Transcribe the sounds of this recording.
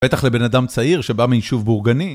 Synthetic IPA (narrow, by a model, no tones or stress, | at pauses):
bet̪aχle̞be̞nad̪amt͡saiʁʃebamijiʃuvbuʁɡani